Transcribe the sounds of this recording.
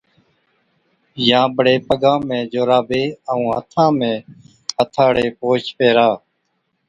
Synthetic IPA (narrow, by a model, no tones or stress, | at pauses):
jãːɓəɽeːpəɠãːmẽːd͡ʒoːɾaːbeːəũːɦə̰t̪ʰãːmẽː | ət̪ʰaːɽeːpoːt͡ʃpeːɾaː